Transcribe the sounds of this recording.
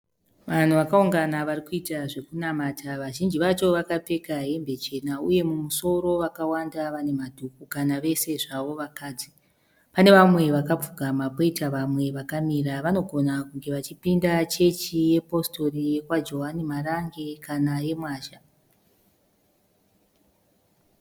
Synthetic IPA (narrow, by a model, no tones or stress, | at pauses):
ʋan̤uʋakauŋɡanaʋarikuitaʐe̞kunamatʰaʋaʒind͡ʒiʋat͡ʃo̞ʋakap͡fe̞kaɦe̞mbe̞t͡ʃe̞nauje̞mumuso̞ɾo̞ʋakawandaʋane̞madʱukukanaʋe̞se̞ʐaʋo̞ʋakaːd͡zi | pane̞ʋamwe̞ʋakap͡fuɡʱamako̞itaʋamwe̞ʋakamiɾaʋano̞ɡʱo̞nakuŋɡe̞ʋat͡ʃipindat͡ʃe̞t͡ʃije̞po̞sto̞rije̞kwad͡ʒo̞ɦanimaraŋɡe̞kanaje̞mwaːʃa